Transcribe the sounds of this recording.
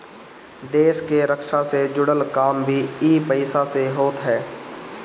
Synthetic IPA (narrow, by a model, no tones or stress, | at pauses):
d̪eːʃkeɾəkʃased͡ʒʊɽəlkaːmbʱiiːpəɪsaseɦoːt̪ɦɛː